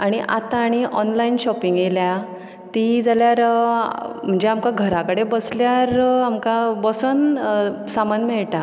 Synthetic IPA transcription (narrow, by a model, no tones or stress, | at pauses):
aɽ̃iʔat̪ãːɽ̃iʔɔnlainɕɔpiŋɡjelja | t̪id͡zaljaɾ | m̤əɳd͡ʑeamkaɡʱəɾakəɽebəsljaɾamkabɔsənsamanmɛɭʈa